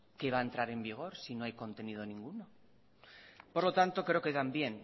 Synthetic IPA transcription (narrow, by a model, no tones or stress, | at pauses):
ke̞βaent̪ɾaɾe̞mbiɣ̞o̞ɾsino̞ajko̞nt̪e̞nið̞o̞nĩŋɡuno̞ | po̞ɾlo̞t̪ant̪o̞kɾe̞o̞keðambje̞n